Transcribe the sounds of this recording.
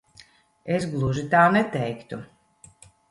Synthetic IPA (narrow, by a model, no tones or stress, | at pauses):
esɡlˠuʒit̪aːnɛt̪ɛjkt̪u